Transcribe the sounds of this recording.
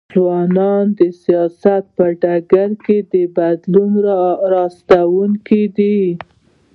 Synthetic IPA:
zwɑnɑnd̪əsijɑsat̪̚pəɖaɡaɾked̪əbad̪lunɾɑɾɑst̪awuŋkid̪i

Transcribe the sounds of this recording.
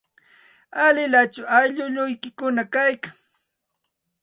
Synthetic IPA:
alɪlat͡ʃʊajʎʊʎʊjkɪkʊnakajkaŋ

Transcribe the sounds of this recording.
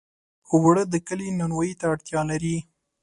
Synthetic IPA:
owɽəd̪əkəlinanwajit̪aːɽt̪jɑlaɾi

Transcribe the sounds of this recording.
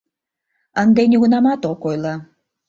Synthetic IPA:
ənd̪enʲiɣunɑmɑt̪okojlˠɑ

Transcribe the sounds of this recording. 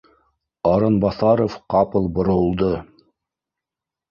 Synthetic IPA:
ɑɾɤnbɑθɑɾofqɑpɤ̆lˠbŏɾŏlˠd̪ɤ

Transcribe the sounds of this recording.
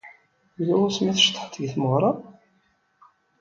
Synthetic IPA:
ulæwʊsmæθəʃt̪ˤːə̥ħt̪ːəʝθməʁɾˤɑ

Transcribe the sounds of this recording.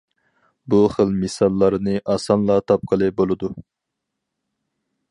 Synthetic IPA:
buχəlmɨsɑlˠːɑɾnɨʔɑsɑnlˠɑt̪ʰɑp̚qʰəlˠɨbolˠɨd̪u

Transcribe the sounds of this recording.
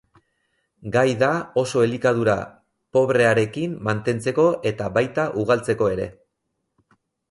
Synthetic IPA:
ɡajðao̞so̞elikaðuɾa | po̞βɾe̞aɾe̞kimːant̪e̞nt͡se̞ko̞ʔe̞t̪aβajt̪aʔuɣ̞alt͡se̞ko̞e̞ɾe̞̰

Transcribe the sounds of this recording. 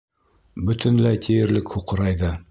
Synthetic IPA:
bɵ̆t̪ɘ̆nlæjt̪ʰijɘ̆ɾlɘkhuqɤ̆ɾɑjðɤ

